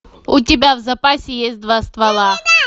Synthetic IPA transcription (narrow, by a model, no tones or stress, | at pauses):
ʊtʲɪbʲavzɐpasʲɪjesʲt̚ʲd̪vast̪vɐlˠa